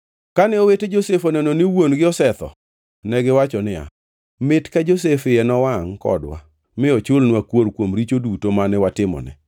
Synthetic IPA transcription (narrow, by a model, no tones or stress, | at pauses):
kanɛoweted͡ʒosefonɛnɔnɪwonɡɪɔsɛt̪ɔ̰ | nɛɡɪwat͡ʃɔnɪa̰ | mɪtkad͡ʒos̬efɪɛnɔwaŋkɔ̰dwa̰ | mɪɔt͡ʃolnwakwoɾkwomɾit͡ʃodutomanɛwatɪmɔ̰nɛ̰